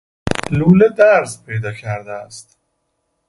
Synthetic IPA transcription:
luːled̪æɾzpʰejd̪ɒːcʰæɾd̪eæst̪

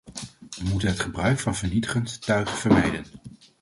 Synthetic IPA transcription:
ʋəmutənɦətχəbrœɥkfɑnvəɹnitəχəntːœɥχvəɹmɛjdən

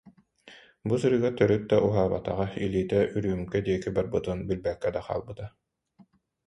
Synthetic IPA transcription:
busɯɾɯːɡat̪œɾyt̪̚d̪aʔuɦaːba̰t̪a̰ʁailiːt̪ɛʔyɾyːymkɛd̪iɛkibaɾbɯt̪ɯnbilbɛkːɛd̪aqa̰ːlˠbɯt̪a

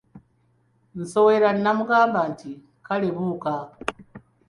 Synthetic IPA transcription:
n̩soweɾannamuɡaːmbanti | kaleβuka

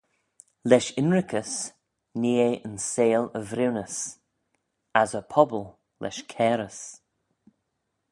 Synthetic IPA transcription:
lɛʃɪnɹɪkʰəs | niːeənseːləvɾɪwnəs | azəpʰɔbəlˠ | lɛ̰ʃkʰɛːɾəs

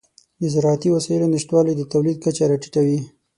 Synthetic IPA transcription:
d̪əzɪɾɑat̪iwasɑjəlonɪʃt̪wɑlajd̪ət̪awlid̪̚kat͡ʃaɾaʈi̥ʈawi

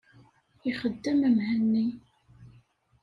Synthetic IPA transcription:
iχəd̪ːəmæmhænːi

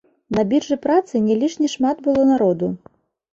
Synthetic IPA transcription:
nɐbʲirʐɨpɾat̪sɨnʲɛlʲiʂnʲiʂmad̪bɨlˠɔnaɾɔd̪u

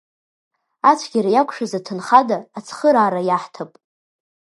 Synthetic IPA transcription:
at͡ʃʷʰɡʲaɾajakʷʰʂazatʰɨnχadaːt͡sʰχəɾaːɾajaħtʰapʼ

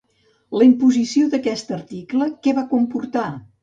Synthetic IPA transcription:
ləimpuzisioðəkɛst̪ərt̪ikləkɛβakumpurt̪a

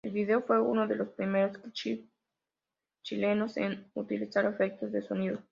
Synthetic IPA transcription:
elβiðe̞ofwe̞uno̞ðe̞lo̞spɾime̞ɾo̞s | t͡ʃile̞no̞sḛnut̪ilisaɾefe̞k̚t̪o̞zðeso̞niðo

